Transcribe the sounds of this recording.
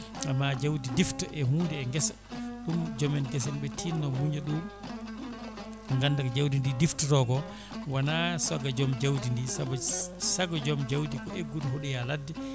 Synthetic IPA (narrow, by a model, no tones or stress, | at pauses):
ʔamːad͡ʒawdidiftɔʔɛhuːndɛːŋɡɛsɔ | ɗumd͡ʒɔmɛnɡɛs̬ɛnɓɛtʰiːnːɔmuɲaɗum | ŋɡanːdakd͡ʒawdindidiftɔtɔɡɔ | wanasɔɡad͡ʒɔmd͡ʒawdindisabsaɡɔd͡ʒɔmd͡ʒawdikɔʔeɡːutɦoɗijaladːi